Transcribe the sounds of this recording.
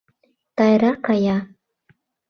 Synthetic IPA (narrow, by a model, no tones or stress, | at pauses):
t̪ɑjɾɑkɑjɑ